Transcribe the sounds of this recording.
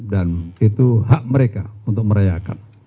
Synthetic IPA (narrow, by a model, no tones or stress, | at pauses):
danit̪uɦaʔməɾekaunt̪ʊk̚məɾajaka̰n